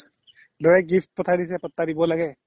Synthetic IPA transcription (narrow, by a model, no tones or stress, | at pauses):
lojɛɡifʰt̚pɔtʰadis̬ɛpɔt̪ːadibɔlaɡɛ